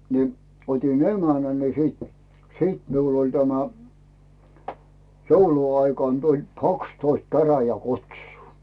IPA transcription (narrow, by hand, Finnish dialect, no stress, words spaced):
ni otʲin emænæ ni siːt siːt miul olʲ tæmæ jouluɑikɑn tulʲ kɑkstoist kæræjækutsuː